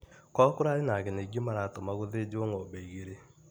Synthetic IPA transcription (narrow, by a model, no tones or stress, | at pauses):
kɔkʊɾaɾenaɣeneɡjemaɾat̪omaɣoðed͡ʒoŋɔbeɣeɾe